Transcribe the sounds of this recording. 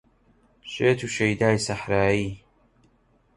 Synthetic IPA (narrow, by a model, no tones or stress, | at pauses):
ʃeːt̪ʰuːʃejd̪aːjsaħɾaːjiː